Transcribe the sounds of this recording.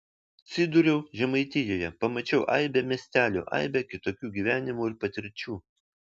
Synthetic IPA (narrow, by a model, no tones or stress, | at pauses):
t̪sʲɪd̪ʊɾʲɛʊʒʲɛmɐɪt̪ʲɪjoːjɛpɐmɐt͡ʃʲɛʊʔɐ̰ɪbʲɛmʲiɛsʲt̪ʲæːlʲṵʔɐ̰ɪbʲɛkʲɪt̪oːkʲuːɡʲiːʋʲæːnʲɪmuɪɾpɐt̪ʲɪɾʲt͡ʃʲuː